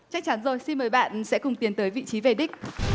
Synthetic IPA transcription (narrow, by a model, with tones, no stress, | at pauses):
t͡ɕa˦˥k̚t͡ɕa˨˦nzo˨˩jsi˧nməː˨˦jɓa̰ː˧˨nsɛ̰˧˥kʊ˨˩ŋ͡mt̪i˨˦ənt̪əː˨˦jvḭ˧˨t͡ɕi˨˦ve˨˩ɗi˦˥k̚